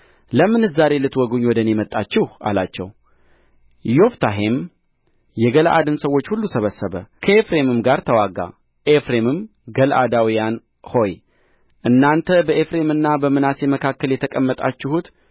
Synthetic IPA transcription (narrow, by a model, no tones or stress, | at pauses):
ləmɨnɨzaɾe̞lɨt̪wɔɡuɲwɔd̪əne̞mət̪ʼːat͡ʃːɪha̰lat͡ʃːɛ̰w | jo̞ft̪ʰaɦe̞m | jɛɡəlʔa̰d̪ɨnsəwo̞t͡ʃːhulːusəβəsːəβə̰kʰəefɾe̞mɨmɡaɾt̪ʰəwaɡa̰ | ʔefɾe̞mɨm | ɡəlʔa̰d̪awijan | ho̞j | ʔɨnːant̪ʰəbəʔefɾe̞mɨnːabəmɨnasjeməkʰakːəljɛt̪ʰəkʼəmːət̪ʼa̰t͡ʃːɪhut̪